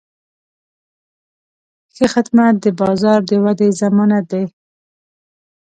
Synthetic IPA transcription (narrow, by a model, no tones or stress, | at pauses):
xexɪd̪mat̪̚d̪əbɑzɑɾd̪əwad̪ezamɑnat̪̚d̪ej